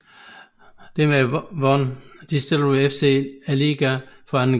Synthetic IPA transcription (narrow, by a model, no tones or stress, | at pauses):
d̥emeʋɒnd̥isd̥elefseæliɡ̥æfɒæn